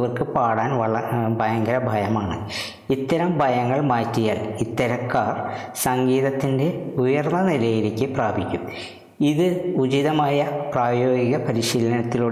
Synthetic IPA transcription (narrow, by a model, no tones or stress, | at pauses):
ʋɐrkɨpaːɽaːnʋɐɭɐbʱɐjɐŋɡɐɾɐbʱɐjɐmaːɳɨ | it̪ːɐɾɐmbʱɐjɐŋːɐɭmaːtːijaːlit̪ːɐɾɐkːaːrsɐŋɡiːðɐt̪ːinde̞ujɐrnːɐnilɐjiɾikʲːɨpraːbʱikʲːum | iðɨud͡ʑiðɐmaːjɐpraːjo̞ːɡiɣɐpɐɾiɕiːlɐnɐt̪ːiluːɽ